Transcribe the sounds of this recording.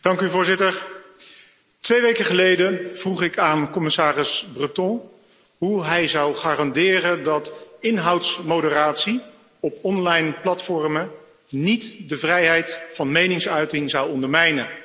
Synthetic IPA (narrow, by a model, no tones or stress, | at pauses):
d̥ɑŋkyvʊːɹzɪtəɹ | tʋejʋejkəχəlejdənv̥ruχɪkaːnkɔmɪsaːrɪsbrətɔ̃ː | ɦuɦɛjzʌwχaːrɑndɪːrəndɑtɪnɦɑwtsmowdəraːtsi | ɔpɔnlɑjnplɑtfɔɹmə | nitdəvrɛjɦɛjtfɑnmejnɪŋsœɥtɪŋzʌwɔndəɹmɛjnə